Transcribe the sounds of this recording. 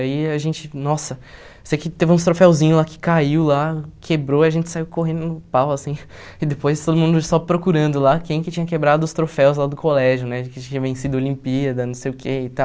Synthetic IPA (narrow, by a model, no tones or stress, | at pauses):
aiaʒẽnt͡ʃɪnɔsɐ | sekɪt̪evɪ̃ũst̪ɾofɛwzĩɲʊlakɪ̥kaiwlakʰebɾoiɐʒẽnt͡ʃɪ̥saiwkoɦẽd̪ʊnʊpawɐsĩ | ɪd̪epojst̪od̪ʊmũd̪ʊsɔpɾokuɾɐ̃nd̪ʊlakẽj̃kɪt͡ʃĩɲɐkebɾad̪ʊːst̪ɾofɛwzlad̪ʊkolɛʒjʊnɛd͡ʒɪkɪt͡ʃĩɲɐvẽsid̪ʊolĩpiɐd̪ɐnɐ̃w̃sejʊkʰeɪt̪aw